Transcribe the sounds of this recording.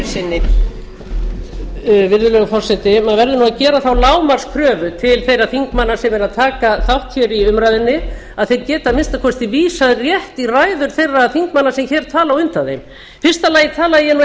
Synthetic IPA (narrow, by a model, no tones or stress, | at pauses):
sɪnːɪ | vɪɾðʏlœːɣafɔr̥sɛt̪ɪmaðvɛɾðɪʏnuaðcɛːɾaθawlaːwmar̥skʰɾœːvʏt̪ʰɪlθejɾaθiŋkmanːasɛmɛɾaðt̪ʰaːkaθawht̪çɛɾiʏmɾajðɪnːɪ | aðθejt̪̚cɛːt̪amɪnst̪akʰɔst̪ɪviːsaðrjɛht̪iraːjðʏɾ̥θejrːaðθiŋkmanːasɛmçɛːɾ̥t̪ʰaːlawʏnt̪anðḛjm | fɪr̥st̪alaːjɪt̪ʰaːlajɛnu